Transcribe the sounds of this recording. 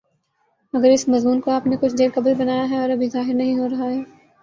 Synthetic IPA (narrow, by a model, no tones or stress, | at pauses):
mɐɡəɾɪsmɐzmuːnkoaːpnekʊt͡ʃʰd̪eːɾkɐblbɐnaːjaɦɛɔːɾɐbʱizaːɦɪɾnɐɦĩɦoːɾɐɦaɦɛː